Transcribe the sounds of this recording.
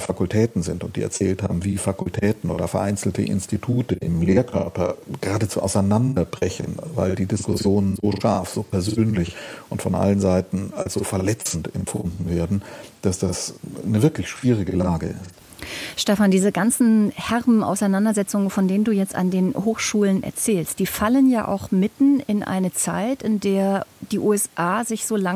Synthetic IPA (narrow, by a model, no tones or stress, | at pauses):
fakʊltʰɛːtn̩zɪntʊnt̚d̥ḭːɛ̰ɐt͡sɛ̰ːltha̰ːbm̩viːfakʊltʰɛːtn̩ʔoːdɐfɛɐʔaɪnt͡sl̩tə̰ʔɪ̰nstitʰuːtəʔɪ̰mleːɐkʰœɐpɐɡ̥əʁaːdət͡suːʔa̰ʊsaɪnandɐbʁɛçənva̰ɪldiːdɪskʊsjoːnənzoːʃaɐfz̥oːpʰɛɐzøːnlɪçʔʊntfɔnʔa̰lənzaɪtn̩a̰lsz̥oːfɛɐlɛt͡sn̩tɛ̰mpfʊ̰ndn̩veːɐdn̩d̥asd̥asnəvɪɐklɪçʃv̥iːʁ̞ɪɡəlaːɡə̰ɪst | ʃtɛfandiːzəɡant͡sn̩hɛʁbm̩ʔa̰ʊsaɪnandɐzɛt͡sʊŋənfɔndeːnənduːjɛt͡sta̰ndeːnhoːxʃuːlənʔɛ̰ɐt͡sɛːlst̚d̥iːfalənjaːʔa̰ʊxmɪtn̩ɪnʔa̰ɪnət͡sa̰ɪtɪndeːɐd̥iːʔuːɛsʔaːzɪçz̥oːla